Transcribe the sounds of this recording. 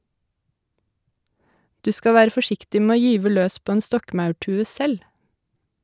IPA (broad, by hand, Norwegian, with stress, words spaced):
ˈdʉː ˈskɑ ˈʋæːɾə fɔˈʃɪktɪ ˈmeː ˈoː ˈjyːʋə ˈløːs ˈpoː ˈeːn ˈstɔkmɑʉˌʈʉːə ˈsɛl